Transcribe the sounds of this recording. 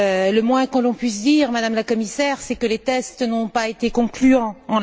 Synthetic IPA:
ləmwɛ̃kɔ̃lɔ̃pɥis̬d̪iʁmad̪amlakɔmisɛʁsɛkəlet̪ɛst̪nɔ̃paet̪ekɔ̃klyɑ̃ɑ̃

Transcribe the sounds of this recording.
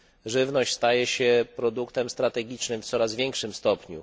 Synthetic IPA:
ʐɘvnɔɕt͡ɕʲst̪ajɛɕɛpɾɔd̪ukt̪ɛmst̪ɾat̪ɛɡʲit͡ʂnɘmft̪sɔɾazvʲjɛŋkʂɘmst̪ɔpɲṵ

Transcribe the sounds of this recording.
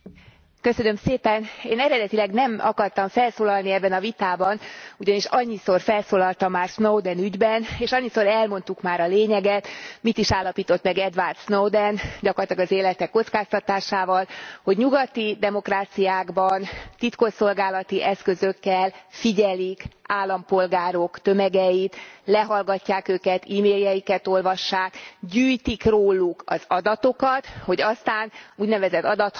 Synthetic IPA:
kø̞sønø̞mseːpɛneːnɛɾɛd̪ɛt̪ilɛɡnɛmɒkɒrt̪ɒɱfɛlsoːlɒlniɛbːɛnɒvit̪aːbɒnuɟɒniʃɒɲːiso̞rfɛlsoːlɒlt̪ɒmːaːrsnowd̪ɛnyɟbɛneːʃɒɲːisoɾɛlmo̞nt̪ukmaːɾɒleːɲɛɡɛt̪mit̪iʃaːlːɒpiːt̪o̞t̪mɛɡɛd̪vart̪snowd̪ɛnɟɒkorlt̪lɒɡɒzeːlɛt̪ɛkːo̞t̪skaːst̪ɒt̪aːʃaːvɒlho̞ɟɲuɡɒt̪id̪ɛmo̞kraːt̪sijaːɡbɒnt̪it̪ko̞ʃo̞lɡaːlɒt̪iʔɛskø̞zø̞kːɛlfiɟɛlikaːlːɒmpo̞lɡaːɾo̞kt̪ø̞mɛɡɛjit̪lɛɦɒlɡɒcːaːkøːkɛt̪iːmeːljɛjikɛt̪o̞lvɒʃːaːkɟyːjt̪ikroːlukɒzɒd̪ɒt̪o̞kɒt̪ho̞ɟɒst̪aːnuːɟnɛvɛzɛt̪ːɒd̪ɒt̪

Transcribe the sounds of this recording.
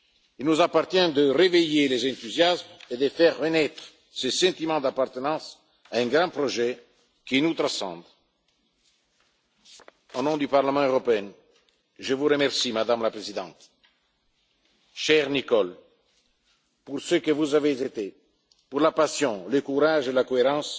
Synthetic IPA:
ilnuzapaʁt̪jɛ̃d̪əʁevejelezɛ̃nt̪uzjasmed̪əfɛʁːənɛt̪χ | səsɑ̃t̪imɑ̃d̪apart̪ənɑ̃s | aɛ̃ɡɾɑ̃pɾɔʒɛ | kinut̪ɾasɑ̰̃d̪ | onɔ̃d̪ypaʁləmɑ̃øʁɔpeɛ̃ | ʒəvuɾəmɛʁsimad̪amlapɾezid̪ɑ̃t̪ | ʃɛʁnikɔl | pursøkəvuzavezet̪e | puʁlapasjɔ̃ləkuɾaʒelakoeʁɑ̃s

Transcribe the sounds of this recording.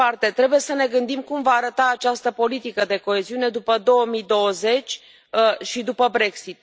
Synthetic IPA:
art̪e̞t̪ɾe̞buje̞səne̞ɡɨnd̪imkumvaːɾət̪aːt͡ʃast̪əpo̞lit̪ikəd̪e̞ko̞e̞ziune̞d̪upəd̪o̞wəmid̪o̞wəze̞t͡ʃʲ | əʃid̪upəbɾe̞ksit̪̚

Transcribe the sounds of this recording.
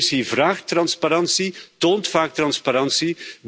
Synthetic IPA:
sivraːxtrɑnspaɾɑnsitoːntfaːk̚t̪rɑnspaɾɑnsi

